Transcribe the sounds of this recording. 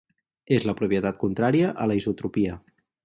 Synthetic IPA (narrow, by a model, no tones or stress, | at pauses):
ezləpɾupjət̪at̪̚kunt̪ɾaɾiəʔələizut̪ɾupiə